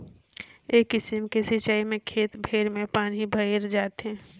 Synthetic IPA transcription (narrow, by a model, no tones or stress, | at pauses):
eːkːɪsɪmkesit͡ʃaːimẽkʰeːt̪bʱeːɾmẽpaːnibʱəiɾd͡ʒaːt̪ɦɛ̃